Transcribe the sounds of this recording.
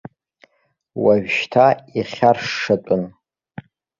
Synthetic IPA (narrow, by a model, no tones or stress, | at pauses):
waɥᶣʃtʰaiχʲarʂɨt͡pʷʼʊn